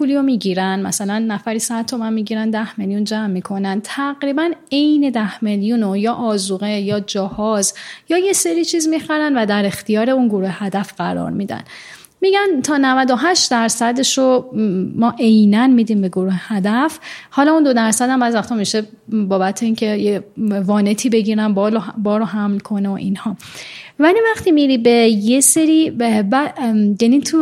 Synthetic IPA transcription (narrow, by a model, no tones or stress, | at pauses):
pʰuːlijomiːɟiːɾænmæ̰sælænːæfæɾiːsæd̪̚t̪ʰːo̞mænmiːɟiɾænd̪æhme̞ljund͡ʒæmːiːkʰo̞nænt̪ʰæɣɾiːbæne̞jne̞d̪æhme̞ljunojɒːʔɒːzuɣejɒːd͡ʒɒhɒːzjɒːje̞se̞ɾiːt͡ʃʰiːzmixæɾænvæd̪æɾe̞xt̪ʰijɒːɾe̞unɡoɾuːhehæd̪æfɢ̥æɾɒ̰ːɾmid̪æ̰n | miːɟænt̪ʰɒːnævæd̪o̞ɦæʃt̪d̪æɾsæd̪eʃomɒːʔe̞jnænmid̪iːmbe̞ɡoɾuːhehæd̪æfhɒːlɒund̪o̞d̪æɾsæd̪æmbæːd̪væxt̪ʰɔmiʃe̞ | bɒːbæt̪ʰeiŋcʰe̞jevɒːne̞t̪ʰiːbe̞ɟiːɾænblobɒːɾoɦæmlkʰo̞neo̰ʔinhɒː | vælivæχt̪ʰiːmiɾiːbe̞je̞se̞ɾibæjæniːt̪ʰu